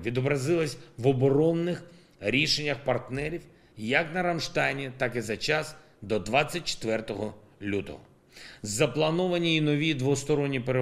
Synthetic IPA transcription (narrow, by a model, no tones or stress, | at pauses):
ʋʲid̪ɔbɾɐzɪlˠɐsʲʋɔbɔɾɔnːɪx | ɾʲiʃenʲːɐxpɐrt̪nɛɾʲiw | jɐknɐɾɐmʃt̪ɑjnʲit̪ɑkɪzɐt͡ʃɑs | d̪ɔd̪ʋɑt͡sʲːɐt̚ʲt͡ʃe̥t̪ʋɛrt̪ɔɦɔ | lʲut̪ɔ̰ɦɔ̰ | zɐplˠɐnɔʋɐnʲiːnɔʋʲid̪ʋɔst̪ɔɾɔnʲːipeɾe